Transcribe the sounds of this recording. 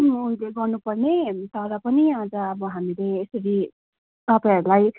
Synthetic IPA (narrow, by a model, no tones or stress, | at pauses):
uileɡʌrnupʌrnet̪ʌɾʌpʌniãd͡zʌːbʌɦamileːsʌɽi | t̪ʌpãɦʌɾulaj